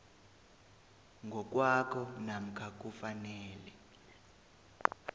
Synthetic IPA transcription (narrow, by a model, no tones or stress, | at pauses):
ŋɡʱɔk̬ʼwakʰɔnam̩kʰak̬ʼufanɛːlɛ